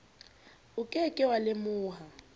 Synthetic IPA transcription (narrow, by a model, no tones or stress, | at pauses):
ʊkʼɛkʼɪwalɪmʊːɦa